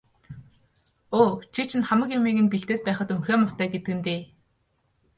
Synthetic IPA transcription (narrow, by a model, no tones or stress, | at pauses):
oːt͡ɕʰit͡ɕʰĭnχamə̆kjʊmiːɣɘ̆npiɬt̪ɘ̆ːt̪̚pæːχə̆t̪uŋxeːmʊt̪æːɡet̪ɘ̆ɘ̆nt̪eː